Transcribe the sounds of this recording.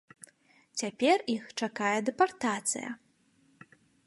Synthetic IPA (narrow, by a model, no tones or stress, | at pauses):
t͡sʲapʲɛrixt͡ʂakajɛd̪ɛpart̪at̪sɨ̰jɐ̰